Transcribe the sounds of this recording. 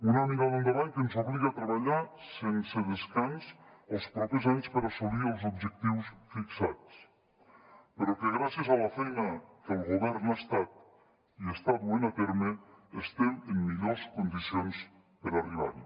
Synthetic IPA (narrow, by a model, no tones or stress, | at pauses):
unanikaðend̪əβaɲkənzuβliɣat̪ɾəβəʎasensəðəskansəlˠspɾɔpezaɲspəɾasuliəlˠzub̚d͡ʒək̚t̪iwsfiksat͡s | pəɾukəɣɾasiəzaləfejnəkəlˠɣuβɛɾnast̪at̪̚ | iəst̪aβuenat̪eɾməəst̪ɛməmːiʎoskund̪isions | pəɾariβa̰ɾi